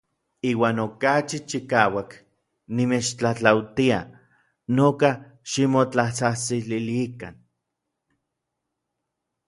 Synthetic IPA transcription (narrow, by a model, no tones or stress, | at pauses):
iːwaːnokat͡ʃit͡ʃikaːwak | nimet͡ʃt͡ɬat͡ɬawt̪ia̰ | noːka | ʃimot͡ɬaht͡saht͡sililikan